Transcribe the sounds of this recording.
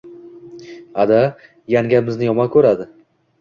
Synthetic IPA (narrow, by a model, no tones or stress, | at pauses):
ad̪a | jaŋɡʲamɪznɪjɒmakʰɵɾad̪ɪ